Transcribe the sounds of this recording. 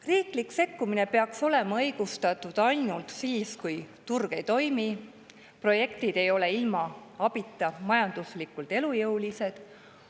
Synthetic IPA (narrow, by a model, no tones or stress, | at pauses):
riːklikse̞kːumine̞pe̞ɑkso̞le̞mɑɤjɡ̥ust̪ɑt̪ːˑud̪̥ɑjnult̪siːskujt̪urɡ̥e̞jt̪o̞jmi | pro̞je̞kt̪id̪̥e̞jo̞le̞ilmɑɑb̥it̪ːˑɑmɑjɑnd̪̥uslikːˑult̪e̞lujɤwlise̞d̪̥